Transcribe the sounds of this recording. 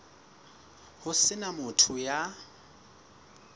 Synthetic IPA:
hʊsɪnamʊtʰʊja

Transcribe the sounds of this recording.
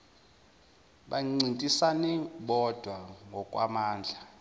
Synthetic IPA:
ɓaŋ͡ǀintʼisanɛɓɔd̥ʱwaŋɡʱɔkʼwa̰maːnd͡ɮʱa

